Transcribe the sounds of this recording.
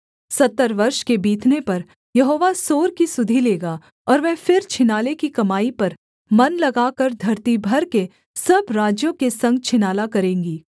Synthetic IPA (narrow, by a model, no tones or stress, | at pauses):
sɐt̪ːəɾʋɐɾʃkebiːt̪ʰnepɐɾ | jɐɦoːʋasoːɾkisʊd̪ʱileːɡa | ɔːɾʋɛːfɪɾt͡ʃʰɪnaːlekikɐmaːipɐɾ | mɐnlɐɡaːkɐɾd̪ʱɐɾt̪ibʱɐɾke | sɐbɾaːd͡ʒjõkesɐ̃ŋɡ̚t͡ʃʰɪnaːlakɐɾẽːŋɡiː